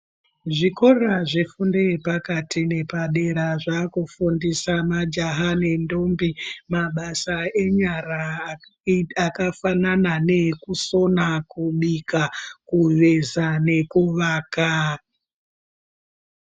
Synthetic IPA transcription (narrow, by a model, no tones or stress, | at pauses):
ʐiko̞ɾaʐifundepakatʰine̞paɗe̞ɾaʐakufundisamad͡ʒaɦane̞ndo̞mbimaɓasae̞ɲara | akafananane̞kuso̞nakuɓikakuʋezane̞kuʋaːka